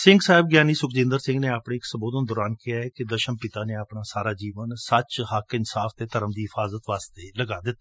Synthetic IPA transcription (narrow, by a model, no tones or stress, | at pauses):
sɪŋɡsaːɪb̚ɡjaːniːsʊkd͡ʒɪ̃nd̪əɾsɪ̃ŋɡneːaːpɽeːɪksəboːd̪ənd̪ʊːɾaːnkɪjaːɛːked̪əʃəmpɪt̪aːneːapɳaːsaːɾaːd͡ʒiːʋənsət͡ʃhəkɪnsaːfʰt̪eːt̪əɾəmd̪iːɦɪfʰaːzət̪ʋaːst̪eːləɡaːd̪ɪt̪ːa